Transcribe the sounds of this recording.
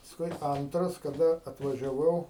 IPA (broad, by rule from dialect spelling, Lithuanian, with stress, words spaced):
pɐsˈkʊɪ ˈɐntrɐs kɐˈdɐ ɐtʋɐʒʲɛˈʋɐʊ